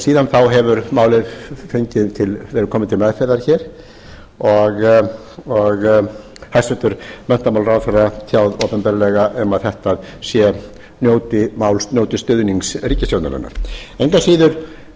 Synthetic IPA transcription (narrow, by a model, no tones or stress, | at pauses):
siːðanθawɦɛvʏɾmaːwlɪfɪɲcɪðt̪ʰɪlvɛːɾʏɾkʰɔːmɪðt̪ʰɪlmaðfɛɾðaɾçɛːɾ̥ | ɔɣ | ɔɣ | hajst̪vɛt̪ʏɾ̥mɛn̥t̪amawlɾawfɛrːat̪ʰjawðoːpɛmpɛɾlɛɣaʔɛmaðθɛht̪aðsjɛ | njoːwt̪ɪmawlsnowt̪ɪst̪ʏðniŋksɾiːcɪsjowt̪a̰na̰nːa̰ɾ̥ejŋkasiːðʏɾ̥